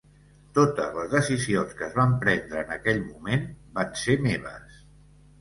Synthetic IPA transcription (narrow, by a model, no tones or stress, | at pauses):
t̪ot̪ə̰zləzðəsizionskəzβampɾɛnd̪ɾəːnəkɛʎmumenbansemeβ̞ə̰s